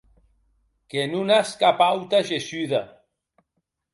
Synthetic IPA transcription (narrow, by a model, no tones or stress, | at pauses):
kenunaskapawt̪aʒesyða